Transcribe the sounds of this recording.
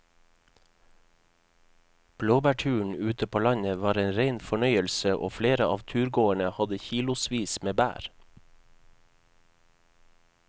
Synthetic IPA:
b̥loːbæːʈʰʉːɳ̩ʉːt̪əpʰoːlɑɲəʋɑːɾeːnɾeɪnfɔɳœʏəlsəʔo̰ːfleːɾəʔɑːʋt̪ʰʉːɾɡoːəɳəhɑd̪əçiːlʊsʋiːsmeːbæ̰ːɾ

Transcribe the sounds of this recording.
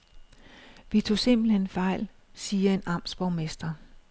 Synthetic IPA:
ʋit͡sʰo̝̰ːse̝m̰b̥l̩henfɑ̈ɪ̰l | siːɐe̝nɑ̈msb̥ɒʊmesd̥ɐ

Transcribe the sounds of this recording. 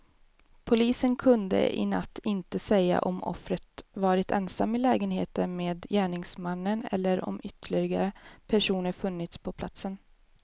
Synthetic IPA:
pʰʊliːsənkʰɵnd̪ə̰ɪ̰nat̪ːɪnt̪əsɛjːa̰ʔɔmɔ̰fɾət̪vɑːɾɪt̪ʰɛ̰nsamːɪlɛːɡənheːt̪ənmeːd̪jæːɳɪŋsmanːənɛ̰lːəɾɔ̰mʏt̪ʰːəɭɪɪɡaɾəpʰæʂuːnəɾfɵnːɪt̪spʰɔpʰlat̪sən

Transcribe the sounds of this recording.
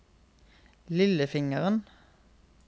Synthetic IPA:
lɪləfɪŋəʁən

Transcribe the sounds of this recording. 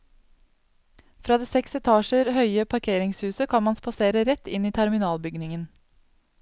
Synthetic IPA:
fɾɑːd̪eːsɛksɛt̪ʰɑːʃəɾhœʏəpʰɑɾkʰeːɾɪŋshʉːsəkʰɑnmɑnspɑseːɾəɾɛt̪ːɪniːt̪ʰæɾmɪnɑːlbʏɡnɪŋən

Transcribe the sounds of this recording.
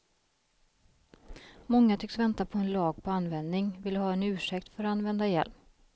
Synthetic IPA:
mɔŋːat̪ʰʏkːsvɛnt̪apʰɔɛnlɑːɡ̚pʰɔanːvɛnd̪nɪŋvɪlːəhɑːɛnʉ̟ːʂɛkt̪fœɾanvɛnd̪ajɛ̰lp

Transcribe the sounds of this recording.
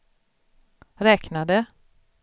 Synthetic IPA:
ɾɛːknad̪ə

